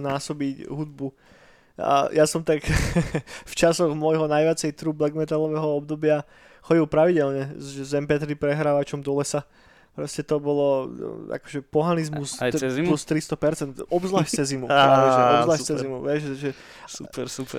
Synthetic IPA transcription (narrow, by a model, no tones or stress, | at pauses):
naːsɔbicɦud̪̚bu | a̰jasɔmt̪ak | ft͡ʃasɔɣmʊɔjɦɔnajʋɪat͡sɛjt̪ɾublɛɡmɛt̪alɔʋɛːɦɔɔb̚d̪ɔbɪa | xɔɟilˠpɾaʋiɟɛlɲɛzʒɛzɛmpɛt̪ɾipɾɛɦɾaːʋat͡ʃɔmd̪ɔlɛsa | pɾɔscɛt̪ɔbɔlɔa̰kɔ̥ʒɛpɔɦanizmuslust̪ɾist̪ɔpɛɾt͡sɛnt̪ɔbzlaːʃtt͡sɛzimuaaɛɔbzlaːʃt͡sɛzimuʋɪɛʒʒɛ | supɛup